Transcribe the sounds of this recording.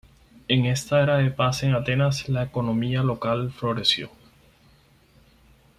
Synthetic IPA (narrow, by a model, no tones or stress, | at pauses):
e̞ŋe̞st̪aeɾaðe̞pase̞ŋat̪e̞naslaeko̞nõ̞mialo̞kalflo̞ɾe̞sjo̞̰